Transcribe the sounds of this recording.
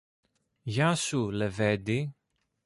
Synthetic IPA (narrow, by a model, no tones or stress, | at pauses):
ʝasuleved̪i